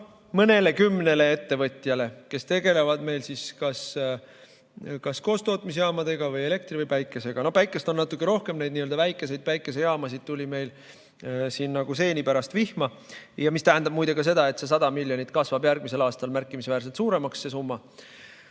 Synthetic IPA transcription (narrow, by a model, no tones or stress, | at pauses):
mɤne̞le̞kymːne̞le̞e̞t̪ːe̞vɤt̪ʲˑjɑle̞ke̞st̪e̞ɡe̞le̞vɑd̪̥me̞jlsiskɑs | kɑsko̞ːst̪o̞ːt̪ˑmis̬jɑːmɑd̪e̞ɡ̥ɑvɯje̞le̞k̚t̪ɾrivɯjpæjkːˑe̞se̞ɡ̥ɑno̞hpæjkːˑe̞st̪onnɑt̪ːˑukːˑeɾo̞hke̞mne̞jd̪niøld̪ɑvæjkːˑe̞s̬e̞jd̪̚pæjkːˑe̞s̬ejɑːmɑsid̪̥̚t̪ulʲime̞jl | siːnːɑɡ̥use̞ːnipæɾɑst̪vihmɑ | jɑmist̪æɦænd̪ɑb̥̚mujd̪̥e̞kɑs̬e̞d̪ɑe̞t̪se̞s̬ɑd̪̥ɑmilʲjo̞nʲit̪kɑsvɑbjærɡ̥̚mise̞lɑːst̪ɑlmærkːˑimisvæːrs̬elt̪suːɾe̞mɑksːe̞sumːɑ